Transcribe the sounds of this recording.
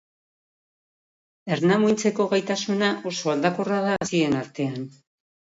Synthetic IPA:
e̞ɾnamujnt͡se̞ko̞ɣajt̪asunaʔo̞so̞ald̪akorað̞asie̞naɾt̪e̞an

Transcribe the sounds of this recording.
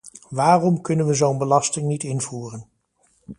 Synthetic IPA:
ʋaːrɔmkɵnənʋəzownbəlɑstɪŋnitɪnv̥uːrən

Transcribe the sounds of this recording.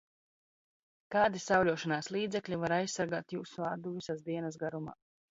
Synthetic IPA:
kaːd̪isawlʲuɔʃanaːslˠiːd̪zɛklʲivaɾajssːaɾɡaːt̪juːsuad̪uvisazd̪iɛnas̬ɡaɾuma̰ː

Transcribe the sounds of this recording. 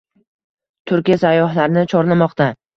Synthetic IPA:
t̪ʰʊɾkʲijasajːɒɦlaɾnɪt͡ʃʰɒɾlamɒqt̪a

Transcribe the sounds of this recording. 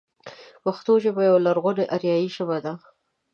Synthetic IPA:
waxt̪oʒebajawlaɾɣʊneʔaɾjɑjiʃəβad̪a

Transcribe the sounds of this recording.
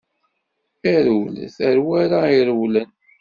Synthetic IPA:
æɾuwlθəɾwæɾaiɾəwlən

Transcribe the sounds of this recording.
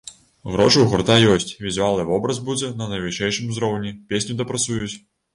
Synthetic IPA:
ɣɾɔʂɨwɣɔrt̪ajɔsʲt͡sʲvʲizualˠnɨvɔbɾɐzbud͡zʲɛnɐnɐjvɨʂɛjʂɨmzɾɔwnʲipʲesʲnʲud̪ɐpɾat̪sujut͡sʲ

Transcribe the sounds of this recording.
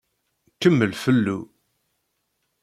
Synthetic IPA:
kːəmːəlfəlːṵ

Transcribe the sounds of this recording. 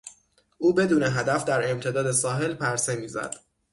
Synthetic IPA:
ʔuːbe̞d̪uːneɦæd̪æfd̪æɾe̞mt̪ʰe̞d̪ɒːd̪e̞sɒːɦe̞lpʰæɾse̞miːzæ̰d̪̥

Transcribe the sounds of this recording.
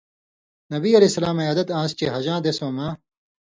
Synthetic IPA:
nɐbiːɐlesɐlaːmɐjaːd̪ɐt̪ãːst͡ɕeɦɐʑãːd̪esõːmãː

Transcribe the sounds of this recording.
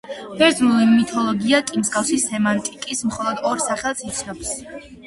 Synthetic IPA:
b̥ɛɾd̪znulimit̪ʰɔlˠɔɡiakʼimsɡafsisɛmant̪ʼikʼismχɔlˠɔd̪ɔɾsaχɛlˠsit̪sʰnɔps

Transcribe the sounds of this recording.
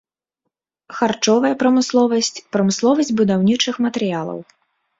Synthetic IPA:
xart͡ʂɔvɐjɐpɾɐmɨslˠɔvɐsʲt͡sʲpɾɐmɨslˠɔvɐsʲd͡zʲbud̪awnʲit͡ʂɨxmɐt̪ɛɾɨjalˠɐ̰w

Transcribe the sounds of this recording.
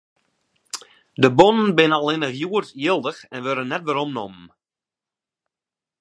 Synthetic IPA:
dəbɔnənbɪnəalɪnəɦjuərtjɪlˠdəxɛnʋøɾənːɛtʋəɾɔmnɔ̰mən̩

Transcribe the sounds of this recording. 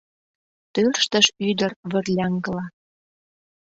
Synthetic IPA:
t̪ørʃt̪əʃyd̪ərβə̆rlʲɑŋɡəlɑ

